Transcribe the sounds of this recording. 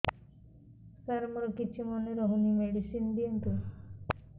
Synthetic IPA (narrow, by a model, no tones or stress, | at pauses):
saɾmɔɾɔkit͡ʃʰimɔneɾɔɦunimeɽisind̪iont̪u